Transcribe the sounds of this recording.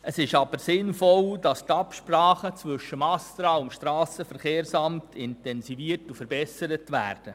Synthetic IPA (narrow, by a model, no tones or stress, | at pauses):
əsɪʃɑb̥əɾsɪnfɔld̥ɑst̪ɑpʃpɾrɑːχət͡sʋʏʃːəmɑstɾɑʊmʃtɾɑːsəfəɾχeːɾsɑmtʰɪntɛnsiviəɾtufəɾbɛsəɾətʋæ̰ːɾd̥ə